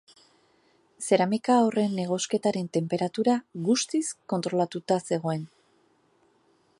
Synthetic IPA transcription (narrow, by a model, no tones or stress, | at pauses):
se̞ɾamikaore̞nːe̞ɣ̞o̞ske̞t̪aɾe̞nt̪e̞mpe̞ɾat̪uɾaɣust̪isko̞nt̪ɾo̞lat̪ut̪ase̞ɣo̞e̞n